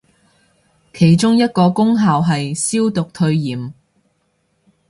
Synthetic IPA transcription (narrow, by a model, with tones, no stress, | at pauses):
kʰe˨˩jt͡ʃʊ˥ŋjɐ˥t̚kɔː˧kʊ˥ŋɦaː˨wɦɐ˨jsiː˥wt̪ʊ˨k̚t̪ʰɵ˧ɥjiː˨˩m